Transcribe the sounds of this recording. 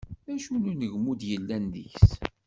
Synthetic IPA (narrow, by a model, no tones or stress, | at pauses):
æʃununəʝmud̪jəlːænðiçs